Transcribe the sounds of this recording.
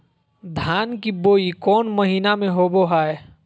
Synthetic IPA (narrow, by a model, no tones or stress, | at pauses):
d̪ʱaːnkiboːikɔːnməɦiːnamẽɦoboɦae